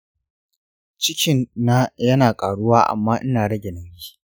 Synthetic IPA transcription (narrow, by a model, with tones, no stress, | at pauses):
t͡ʃɪ˦kʲɪ˨nːa˦jɐ˦naː˨kʼaː˨ɽʊ˦waː˦ʔa̰˨mːaː˦ʔɪ˦naː˨ɽɐ˦ɡʲɛ˨nɐ˦mbʲiː˦